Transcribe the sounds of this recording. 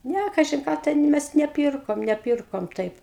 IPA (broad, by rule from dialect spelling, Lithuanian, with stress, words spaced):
ˈnʲæ ˈkɑːʒʲɪn ˈkɑː ˈtʲɛn ˈmʲɛs nʲɛˈpʲiːrkoːm nʲɛˈpʲiːrkoːm ˈtɐɪp